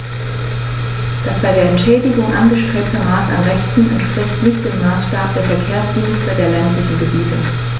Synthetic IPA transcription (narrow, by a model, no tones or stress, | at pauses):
d̥asb̥aɪdeːɐɛntʃɛːdɪɡʊŋʔanɡəʃtʁ̥eːp̚təmaːsa̰nʁɛçtn̩ɛ̰ntʃpʁ̥ɪçtnɪçtd̥eːmːaːsʃtaːp̚d̥eːɐfɛɐkʰeːɐsd̥iːnstədeːɐlɛntlɪçn̩ɡəbiːtə